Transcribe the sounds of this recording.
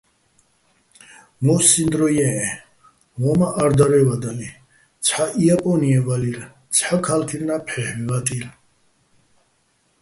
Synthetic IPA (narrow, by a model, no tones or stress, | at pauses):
mɔsind̪ɾɔjɛɛ | wɔmaʔaɾd̪aɾɛvad̪ali | t̪t͡sʰħaʔiapʼɔniɛvaliɾ | t͡sʰħakʰalt̪ʰiɾnapʰħɛhmivat̪ʼil